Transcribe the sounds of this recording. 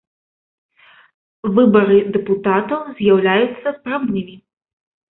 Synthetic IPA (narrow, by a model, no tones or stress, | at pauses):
vɨbɐɾɨd̪ɛput̪at̪ɐwzʲjawlʲajut̪sːɐspɾawnʲimʲi